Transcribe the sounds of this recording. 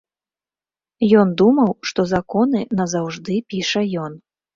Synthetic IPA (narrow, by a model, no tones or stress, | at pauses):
jɔnd̪umɐwʂt̪ɔzakɔnɨnɐzawʐd̪ɨpʲiʂɐjɔn